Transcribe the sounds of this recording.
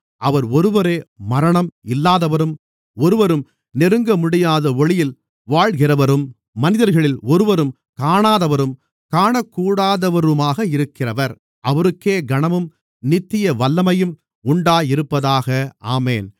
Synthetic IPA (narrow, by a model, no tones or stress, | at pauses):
ʔɐʋɐɾɔɾɯʋɐɾeːmɐɾɐɳɐmɪlːaːðɐʋɐɾɯm | ɔɾɯʋɐɾɯm | nɪɾɯŋɡɐmʊɽɪjaːðɐɔɭɪjɪl | ʋaːɭɣɪrɐʋɐɾɯmː | ɐnɪðɐɾɣɐɭɪlɔɾɯʋɐɾɯm | kaːɳaːðɐʋɐɾɯm | kaːɳɐkːuːɽaːðɐʋɐɾɯmaːɣɐɪɾɯkːɪrɐʋɐɾ | ʔɐʋɐɾɯkːeːɡɐɳɐmɯm | nɪt̪ːɪjɐʋɐlːɐmɐjɯm | ʊɳɖaːjɪɾɯpːɐðaːɣɐa̰ːmeːn